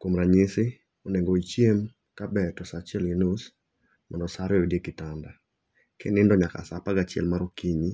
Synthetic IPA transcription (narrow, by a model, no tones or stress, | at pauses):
komɾaɲɪsɪ | oneŋɡoit͡ʃjem | kabɛtɔsat͡ʃɛlɪnos | mandɔsaɾeodiekɪtanda | kʰenɪndɔɲaka̰sapaɡat͡ʃɪɛ̰lmaɾokiɲi